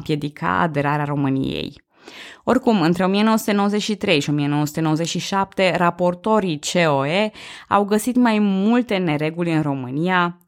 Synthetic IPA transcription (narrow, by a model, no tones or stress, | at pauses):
pje̞d̪ikʰa̰a̰d̪e̞ɾaɾeaɾo̞mɨnḭjḛj | o̞rkumɨnt̪ɾe̞o̞mije̞noəsut̪e̞nowoze̞t͡ʃʲʃit̪ɾe̞jʃio̞mijenowsu̥t̪enowəze̞t͡ʃʃiʃap̚t̪e̞ɾapo̞rt̪o̞ɾit͡ʃeoea̰wɡəsit̪majmult̪e̞ne̞ɾe̞ɡulʲɨnro̞mɨnia